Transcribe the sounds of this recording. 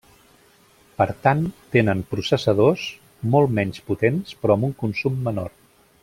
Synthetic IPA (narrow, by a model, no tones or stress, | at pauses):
pəɾt̪ant̪enəmpɾusəsəð̞os | mɔlˠmɛɲsput̪enspɾɔəmuŋkunsumːəno̰r